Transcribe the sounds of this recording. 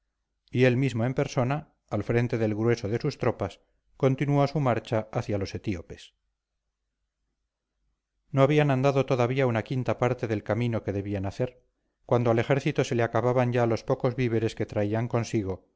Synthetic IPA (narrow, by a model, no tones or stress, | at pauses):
ie̞lmizmo̞e̞mpe̞ɾso̞naː | lfɾe̞nt̪e̞ðe̞lɣɾwe̞soðe̞sust̪ɾo̞pas | ko̞nt̪inuosumaɾt͡ʃaaθjalo̞se̞t̪iope̞s | no̞aβianand̪aðo̞t̪o̞ðaβiaunakint̪apaɾt̪e̞ðe̞lkamino̞ke̞ðe̞βianaθe̞ɾ | kwand̪oale̞xe̞ɾθit̪ose̞leakaβaβaɲɟalo̞spo̞ko̞zβiβe̞ɾe̞ske̞t̪ɾaiaŋko̞nsiɣo̞